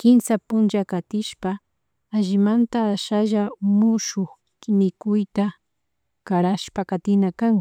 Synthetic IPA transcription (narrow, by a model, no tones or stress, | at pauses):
kɪmsapʊnd͡ʒakat̪ɪʃpaː | ʒɪmant̪aːʃaʒamʊʃʊx | mɪkʊjt̪a | kaɾaʃpakat̪ɪnakaŋ